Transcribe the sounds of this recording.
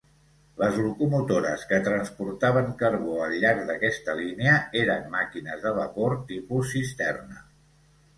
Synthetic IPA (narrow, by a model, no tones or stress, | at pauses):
ləzlukumut̪oɾəskət̪ɾənspuɾt̪aβ̞əŋkəɾβoəlˠʎːaɾɡ̚d̪əkɛst̪əlineəeɾəmːakinəzðəβəpoɾt̪ipusist̪ɛrnə